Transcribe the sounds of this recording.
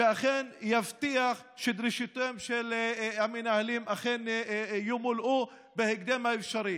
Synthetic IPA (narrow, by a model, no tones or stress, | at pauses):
veaχenjaft̪iaχ | ʃed̪ɾiʃit̪emʃelhamenahalimʔaχenjumulʔu | beheɡ̚d̪emhaefʃaɾi